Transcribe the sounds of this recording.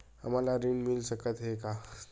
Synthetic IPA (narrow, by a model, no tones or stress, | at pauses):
a̰m̤alaɾiɳmilɕəkət̪ɦeka